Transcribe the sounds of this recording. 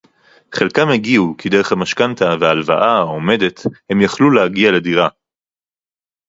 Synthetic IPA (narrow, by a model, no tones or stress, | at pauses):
χe̞lkamheɡiukid̪eʁeχhamaʃkant̪aveaːlva̰ʔaaome̞d̪e̞the̞mjaχluleaɡialed̪iʁa